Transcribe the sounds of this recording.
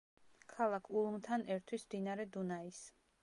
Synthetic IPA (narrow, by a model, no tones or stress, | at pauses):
kʰalˠakʰulˠmt̪ʰanɛɾt̪ʰwismd̪inaɾɛd̪unais